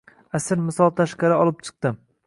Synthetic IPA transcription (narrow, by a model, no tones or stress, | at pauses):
asɪɾmɪsɒlˠt̪ʰaʃqɑɾɪɒlˠɪp̚t͡ʃʰɨ̥q̚t̪ɪm